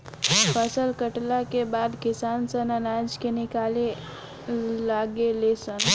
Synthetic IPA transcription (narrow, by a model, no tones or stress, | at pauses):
fʰəsəlkəʈlakebad̪kisansənənad͡ʒkenikale | laɡelesən